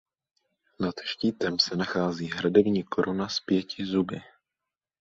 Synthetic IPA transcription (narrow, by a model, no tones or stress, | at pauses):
nat̪ʃciːt̪ɛmsɛnaxaːziːɦɾadɛbɲiːko̞ɾʔunaspjɛcɪzubɪ